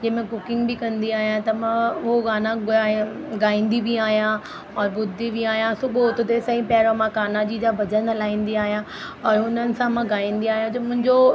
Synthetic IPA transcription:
d͡ʑɐ̃ɦmẽkʊkɪ̃ŋɡbɪkɐ̃nd̪iaːɦijãt̪ɐmãʊɦoɡaːna | ɡaːĩːnd̪ibʱiaːɦijã | ɔːɾɓʊd̪ʱibiaːɦijãsʊboot̪ʊt̪esɐĩpjaːɾomãkaːnad͡ʑid͡ʑabɐd͡ʑənɐlaːĩːn̆d̪iaːɦijã | ɔːɾʊnənɪ̆sãmãɡaːĩːnd̪iaːɦijãd͡ʑomʊ̃ɦɪ̃ɲd͡ʑo

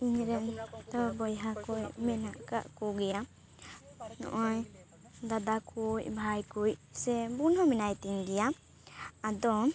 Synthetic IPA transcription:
iɲɾɛnt̪ɔbɔjɦakujmɛnaʔka̰ʔkuɡɛja | nɔ̰ʔɔj | d̪ad̪akʰujbʱajkujsɛbunɔminajt̪iŋɡɛja | ad̪ɔ

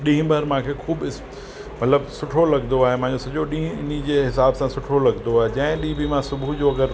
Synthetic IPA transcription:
ɗĩːɦɪ̃bʱɐɾmãːkʰeːxuːbɪs | mɐt̪ləbsʊʈʰolɐɡnd̪oaːɦemãɦɪ̃ɲd͡ʑosɐd͡ʑoɗĩːɦʊ̃ɪnid͡ʑeːɦɪsaːbsãsʊʈʰolɐɡnd̪oaːɦed͡ʑɐ̃ɦɪ̃ɗĩɦbɪmãsʊbʱud͡ʑoɐɡəɾ

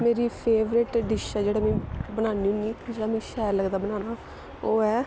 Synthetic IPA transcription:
meːɾiːpʰeːʋɾɪʈɖɪʃaːd͡ʒeːɽaːmɛ̃ːbənaːniːɦʊ̃ŋɡiːd͡ʒeaːmĩːʃɛːɾləɡd̪aːbənaːnaː | oːɛː

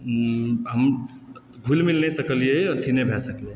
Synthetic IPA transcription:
ɦɐm | ɡʱulmɪlnesɐkəlijet̪ʰinẽbʱɛsəke

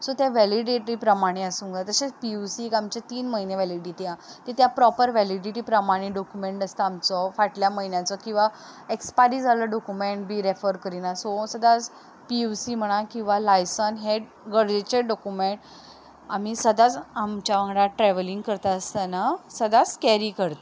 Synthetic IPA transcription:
sɔt̪jaʋæliɖiʈɾipɾəmaɽ̃eəsũŋɡat̪əɕet͡spiusiekamt͡ɕet̪iːnməɦineʋɛliɖiːt̪jãt̪et̪japɾɔpəɾʋɛliɖiʈipɾəmaɽ̃iɖɔkjumeɳʈəst̪əamt͡sɔfaʈljaməɦinjãt͡sɔkĩw̃ʋa | ekspaɾiːd͡zaləɖɔkumeɳʈ̚bʱiːɾefəɾkəɾinasosəd̪ʱad͡z | piusiːm̤əɽ̃akĩw̃ʋalajsənɦeɖ | ɡəɽd͡zet͡ɕeɖɔkumeɳʈ | am̤isəd̪ʱat͡samt͡ɕjaʋəŋɾaʈɾɛʋəliŋɡkəɾt̪aəst̪anasəd̪ʱat͡skɛɾikəɾt̪a

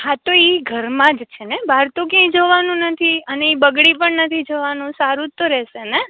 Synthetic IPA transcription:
hat̪oiɡʱəɾmãd͡ʒt͡ʃʰenebʱaɾt̪õkjãĩd͡ʒoʋanũnət̪ʰiəneibəɡɽipəɳnət̪ʰid͡ʒoʋanũsaɾũt̪oɾɛʃene

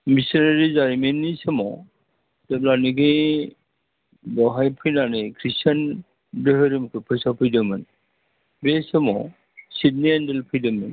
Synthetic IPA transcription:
misineɾizaɾimenːisɯmɔ | deblaniɡɯ | bɔɦajpʰɯjnanɯkʰɾisan | dɯɦɯɾimkʰɯpʰɯjsapʰɯjdɯmɯn | besɯmɔ | sidniendelpʰɯjdɯmen

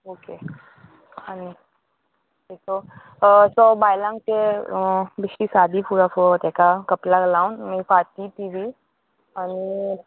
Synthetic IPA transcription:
oːke | ani | okeso | sobaːjlãŋɡʈ̪e | bɪʃisaːd̪ʱipuːɾapuat̪ɛkakɐplaɡɐlaũnmẽpaːt̪it̪iːʋi | ani

